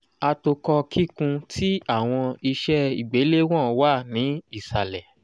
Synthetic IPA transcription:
a˧to˧kɔ˧kʰi˦kũ˧tʰi˦a˦˨w̃ɔ̃˧i˧ʃɛ˦i˦˨ɡ͡be˨˦le˦w̃ɔ̃˦˨˧wa˦˨nĩ˨˦i˦˨sa˨lɛ˨

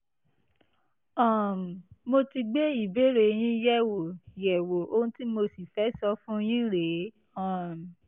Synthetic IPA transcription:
ɔ̃˦˨m˨mo˧ti˧ɡ͡be˦i˦˨be˦ɾe˨j̃ĩ˦jɛ˦wo˨jɛ˨wo˨o˧ũ˦ti˦mo˧si˨fɛ˦sɔ˧fũ˦˧j̃ĩ˦ɾe˨˦ | ɔ̃˦˨m˨

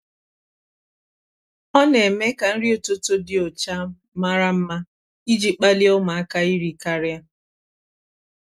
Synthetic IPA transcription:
ɔ˦ne˨me˦ka˨n̩˦ɾi˦o˨to˦to˦dɪ˨o˨t͡ʃa˦ | ma˦ɾa˦m̩˦ma˦ | i˦d͡ʒi˨k͡pa˦li˦o˦ma˨a˦ka˦i˦ɾi˨ka˦ɾja˦

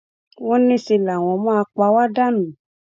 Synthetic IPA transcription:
wɔ̃˦nĩ˦si˧la˨w̃ɔ̃˧mã˦˧k͡pa˧˦wa˦da˦nũ˨

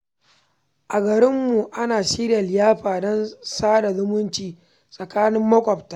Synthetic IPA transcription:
ʔa˨ɡɐ˨ɾɪ˦mːu˨ʔa˦naː˨ʃiː˦ɾja˨ljaː˦ɸaː˨dɔ˦nsaː˦da˨zʊ˦mʊ˦nt͡ʃiː˨ | sʼɐ˨kaː˦nɪ˦mːɐ˦kʷʼɔ˨p̚taː˦˨

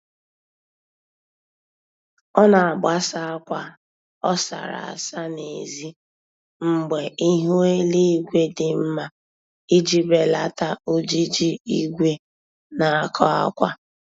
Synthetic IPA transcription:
ɔ˦na˨a˨ba˦sa˦a˦kʷa˦ | ɔ˦sa̰˨ɾa̰˨a̰˨sa˦ne˨zi˦ | m̩˦ɡ͡be˨i˦ɦo˦e˦li˦i˦ɡʷe˦dɪ˨m̩˦ma˦ | i˦d͡ʒi˦be˨la˦ta˦o˦d͡ʒi˦d͡ʒi˦i˦ɡʷe˦ | na˨a˨kʰɔ˦a̰˦kʷa̰˦

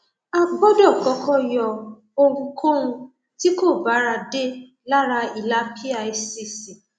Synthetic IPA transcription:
a˦bɔ˦dɔ˦˨kɔ˨˦kɔ˦˨jɔ˧˨ | o˧ɾũ˧kʰo˦ɾ̃ũ˧ | ti˦ko˦˨ba˨˦ɾa˧de˦ | la˦ɾa˧i˨la˨˦pʰi˦a˦˨e˧si˨si˨

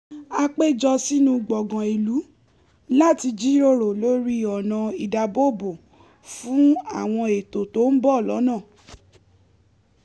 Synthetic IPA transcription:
a˧k͡pe˦d͡ʒɔ˧si˦nũ˧ɡ͡bɔ˨ɡã˨i˨lu˨˦ | la˦˨ti˧d͡ʒi˦ɾo˦ɾo˨lo˨˦ɾi˦ɔ˨nã˧i˨da˨bo˦˨bo˨ | fũ˨˦a˦˨w̃ɔ̃˧e˨to˨to˦n̩˦bɔ˦˨lɔ̰˨˦nãː˦˨

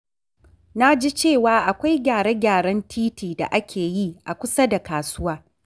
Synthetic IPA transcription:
na˦d͡ʒi˦t͡ʃeː˦˨waː˦ʔa˨kʷa˦jɡʲaː˨ɽe˦ɡʲaː˨ɽɐ˦ntʰiː˦tʰiː˨da̰˨ʔa˦kʲʰeː˨ji˦ʔa˨kʷʊ˦sa˦da˨kaː˨sʊ˦waː˦

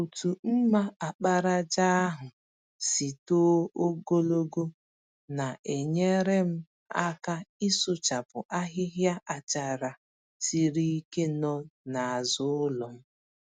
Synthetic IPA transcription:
u˨tu˨m̩˦ma˦a˨k͡pa˦ɾa˦d͡ʒa˦a˦ɦʊ˨ | si˨to˦o˦ɡo˦lo˦ɡo˦ | na˨ʔe˨ɲe˦ɾe˦m̩˦ | a˦ka˦ɪ˦sʊ˦t͡ʃa˨pʊ̰˨ʔa˦ɦɪ˦ɦja˦ʔa˨t͡ʃa˨ɾa˨ | ti˨ɾi˦i˦ke˦nɔ˦na˨a˨zʊ˦lɔ˨m̩˦

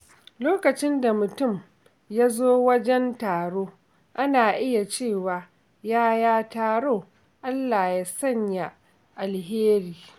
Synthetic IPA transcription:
loː˦kɐ˨t͡ʃɪ˦nda˨mʊ˨tʊ˦˨m | ja˦zoː˦wɐ˦d͡ʒɛ˦ntaː˨ɽoː˦ | ʔa˦naː˨ʔɪ˦ja˨t͡ʃeː˦˨waː˨ | jaː˦jaː˦taː˦ɽoː˦˨ | ʔa˦lːaː˨jaː˦sɐ˦ɲja˨ | ʔa˨lɦeː˦ɾiː˨

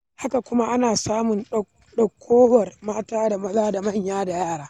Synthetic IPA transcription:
ha˦ka˨kʷʊ˦ma˦ʔa˦naː˨saː˦mʊ˨nɗ | ɗɐ˨kʷʰːoː˦wɐ˨rmaː˦taː˦da˨mɐ˦zaː˦da˨mɐ˦ɲjaː˦da˨jaː˦˨ɽaː˦

